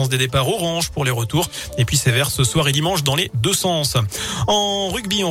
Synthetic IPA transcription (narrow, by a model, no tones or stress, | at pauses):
ɑ̃sd̪ed̪epaʁɔʁɑ̃ʒpuʁleʁət̪uʁ | epɥisevɛʁsəswaʁed̪imɑ̃ʃd̪ɑ̃led̪øsɑ̃sɑ̃ʁyɡbiɔ̃